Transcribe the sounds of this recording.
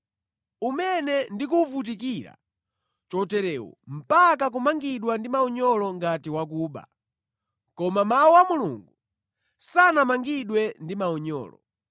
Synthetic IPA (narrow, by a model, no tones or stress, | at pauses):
umɛnɛndik̬uvut̬ik̬iɾa̰ | t͡ʃɔtɛɾɛːwɔ̰m̩pakak̬umaŋɡiɗwandimaɔɲɔlɔŋɡatiwak̬uːɓa̰ | kɔmamawuwamuluŋɡu | sanamaŋɡiɗwɛndimaɔɲɔ̰ːlɔ̰